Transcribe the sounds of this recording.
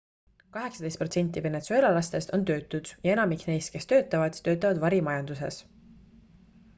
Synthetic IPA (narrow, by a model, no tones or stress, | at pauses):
kɑɦe̞ksɑd̪e̞st̪pro̞t̪se̞nʲt̪ːˑive̞ne̞t̪sue̞lɑlɑst̪e̞st̪o̞nt̪ø̞ːt̪ːˑud̪̥jɑe̞nɑmikne̞jst̪ke̞st̪ø̞ːt̪ːˑɑvɑd̪̥t̪ø̞ːt̪ːˑɑvɑd̪vɑɾimɑjɑnd̪̥use̞̰s